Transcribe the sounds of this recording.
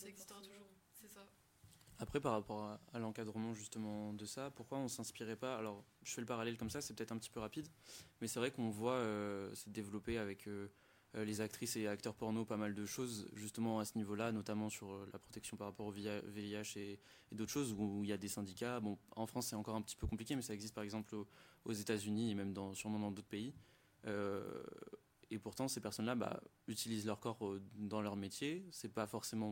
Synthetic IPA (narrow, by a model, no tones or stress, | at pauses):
t̪u | ɛa | apχɛpaʁːapɔʁaːlɑ̃kad̪ʁəmɑ̃ʒyst̪əmɑ̃d̪əsapuʁkwaɔ̃sɛ̃spiʁɛpaːlɔʁʒ̥əfɛləpaʁalɛlkɔmsasɛpøt̪ɛt̪χɛ̃pət̪i̥pøʁapid̪mɛsɛvʁɛkɔ̃vwaøsɛd̪evlɔpeavɛkʰø | lezakt̪χiseak̚t̪œʁpɔʁnopamald̪əʃozʒyst̪əmɑ̃asənivolanɔt̪amɑ̃syʁøla̰pχɔ̥t̪ɛksjɔ̃paʁːapɔʁoviveiaʃeː | d̪ot̪χʃozuiljad̪esɛ̃d̪ikʲabɔ̃ɑ̃fχɑ̃sːɛt̪ɑ̃kɔʁɛ̃pə̥t̪i̥pøkɔ̃plikʲemɛsaɛɡzist̪̚paʁɛɡzɑ̃ploozet̪azyniemɛmd̪ɑ̃syʁmɔ̃d̪ɑ̃d̪ot̪χə̥pei | ø | epuʁt̪ɑ̃sepɛʁsɔnlaba̰ | yt̪ilizlœʁkɔʁd̪ɑ̃lœʁmet̪jesɛpafɔʁsemɑ̃